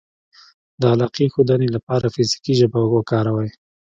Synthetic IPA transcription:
d̪əalɑqixod̪anelapɑɾafizikiʒəbawakɑɾawaj

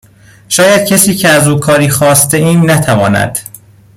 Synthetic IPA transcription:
ʃɒːjæd̪̥̚cʰæsiːcʰeæzuːkʰɒːɾiːxɒːst̪e̞iːnnæt̪ʰævɒ̰ːnæ̰d̪̥

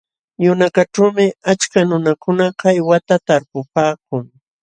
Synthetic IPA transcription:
jʊnakaʈ͡ʂaːmɪat͡ʃkanʊnakʊnakajwat̪at̪aɾpʊpaːk̚ʊŋ

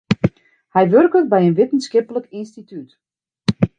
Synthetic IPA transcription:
hɛjʋørkət̚bɛjənʋɪtən̩skɪpələkinstityt

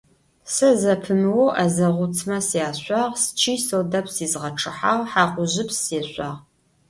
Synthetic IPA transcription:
sɐzɐpʰɨmɨwɔwʔɐzɐʁʷʊt͡sʰmɐsjaːɕʷʼɑːʁst͡ʃʰiːsowdɐpʰsiːzʁɐʈ͡ʂʰʼɨħaːʁħaːqʷʊʑɪpseːɕʷʼɑːʁ

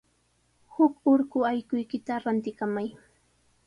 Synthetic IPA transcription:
hʊkʊɾkʊajkʊjkɪt̪aɾant̪ɪkamaj

